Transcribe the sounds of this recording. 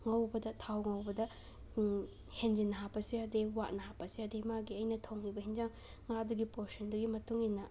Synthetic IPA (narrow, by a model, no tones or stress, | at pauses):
ŋɐwbɐdɐtʰawŋɐwbɐdɐ | hend͡ʒinːɐɦapːɐsiɐdewat̚nɐhapɐsiɐdemaɡiɐjnɐtʰɐwŋibɐɦind͡ʒaŋ | ŋaduɡipoɾsɐnduɡimɐtuŋinːɐ